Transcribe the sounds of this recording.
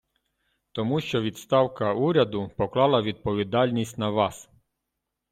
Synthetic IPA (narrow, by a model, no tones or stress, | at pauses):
t̪ɔmuʃt͡ʃɔʋʲid̪st̪ɑwkɐuɾʲɐd̪ʊpɔklˠɑlˠɐʋʲid̪̚pɔʋʲid̪ɑlʲnʲisʲtʲnɐʋɑs